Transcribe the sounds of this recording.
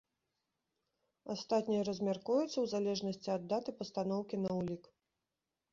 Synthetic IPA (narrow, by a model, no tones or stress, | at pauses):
ast̪at̪ʲnʲijɐɾɐzʲmʲarkujut̪sːɐwzalʲɛʐnɐsʲt͡sʲiɐd̪ːat̪ɨpɐst̪anɔwkʲinɐulʲik